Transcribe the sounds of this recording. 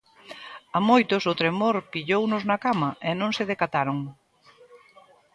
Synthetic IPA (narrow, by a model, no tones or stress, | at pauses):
amojt̪ʊsot̪ɾemoɾpiʎownʊznɐkamɐʔenõŋsɪðekat̪aɾoŋ